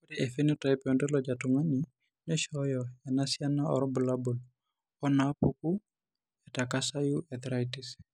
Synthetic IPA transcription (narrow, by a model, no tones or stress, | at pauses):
kudiʔefenitajpɔndɛlɔd͡ʒatuŋani | nɛʃɔjɔjanasjanaɔ̰ɾɔbulabul | ɔnapuku | ɛtakasajuʔɛt̪ɾajtis